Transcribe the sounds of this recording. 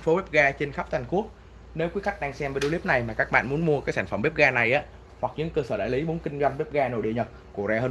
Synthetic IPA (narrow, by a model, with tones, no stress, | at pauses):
nfo˨˦vɛː˦˥p̚ɣaː˧t͡ɕe˧nxa˦˥k͡p̚t̪ʰa˨˩ŋ̟ku˦˥ək̚ | ne˨˦wkwi˨˦əxa˦˥k̟̚ɗaː˧ŋsɛ˧mvə˨˦ɗo˨˦li˦˥p̚na˨˩jmaː˨˩kaː˦˥k̚ɓa̰ː˧˨nmu˨˦ənmu˧əkaː˨˦jsaː˧˩nfə˧˩mɓe˦˥p̚ɣaː˧na˨˩jʔaː˨˦ | hwa˨˩k̚ɲɨ̰˧˥ŋkəː˧səː˧˩ɗa̰ː˧˩˨li˨˦mu˨˦ənkï˧ŋ̟za˧mve˦˥p̚ɣaː˧no˨˩ɗḭ˧˨əɲə˨˩t̚ku˧˩əzaː˧əː˧